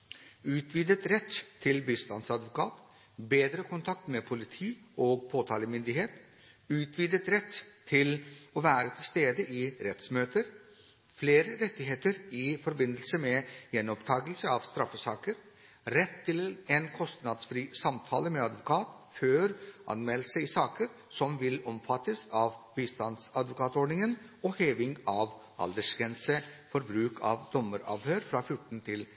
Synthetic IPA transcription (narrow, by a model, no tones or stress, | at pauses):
ʉːt̪ʰʋiːd̪ət̪ɾɛt̪ʰːɪlbiːst̪ɑnsɑd̪ʋʊkʰɑ̰ːt̪ | beːd̪ɾəkʰʊnt̪ʰɑk̚t̪mɛpʰʊlɪt̪ʰiːoːɡpʰoːt̪ʰɑːləmʏnd̪ɪɦeːt̪ | ʉːt̪ʰʋiːd̪ət̪ɾɛt̪ʰːɪlɔʋæːɾət̪ʰɪlst̪eːd̪əʔɪɾɛt̪smøːt̪əɾ | fleːɾəɾɛt̪ːɪɦeːt̪əɾɪfɔɾbɪnd̪əlsəmɛjɛnːɔpt̪ʰɑːɡəlsəɑʋst̪ɾɑfːəsɑːkəɾ | ɾɛt̪ʰːɪlenkʰɔst̪nɑd̪sfɾiːsɑmt̪ʰɑːləmɛɑd̪ʋʊkʰɑːt̪ | føːɾʔɑ̰nmɛləsəɪsɑːkəɾ | sɔmʋɪlɔmfɑt̪ːəsɑːʋʋiːst̪ɑnsɑd̪ʋʊkʰɑːt̪ɔɖnɪŋən | ɔheːʋɪŋɑʋ | ʔɑ̰ld̪əʂɡɛnsəfɔɾbɾʉːkʰɑ̰ːʋd̪ɔməɾɑ̰ːʋhøːɾfɾɑːfjʊʈːn̩t̪ʰɪl